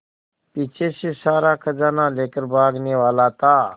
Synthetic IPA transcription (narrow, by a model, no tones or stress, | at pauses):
piːt͡ʃʰeːseːsaːɾaːkʰəd͡zaːnãːleːkəɾbʱaːɡneːʋaːlaːt̪aː